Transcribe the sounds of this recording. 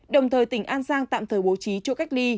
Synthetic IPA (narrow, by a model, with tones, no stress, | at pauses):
ɗə˨˩wŋ͡mt̪ʰəː˨˩jt̪ï˧˩ŋ̟ʔaː˧nsaː˧ŋt̪a̰ː˧˨mt̪ʰəː˧˩ɓo˨˦t͡ɕi˨˦t͡ɕɔ˧ka˦˥jk̚li˧